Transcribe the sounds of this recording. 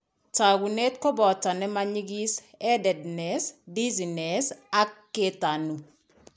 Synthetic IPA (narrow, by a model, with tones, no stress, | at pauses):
ta˨ɡu˨ne˦t̚kɔ˦bɔ˨ta˨nɛ˦ma˦ɲi˦ɡi˦s | ɛ˦dɛ˨dnɛ˨sdi˦zi˨ne˨sa˦kːe˦ta˨nu˨